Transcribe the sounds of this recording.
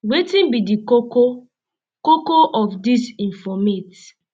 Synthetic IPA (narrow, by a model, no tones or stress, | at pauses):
wetĩnbidikoko | kokoʔɔfdisĩɱfɔmet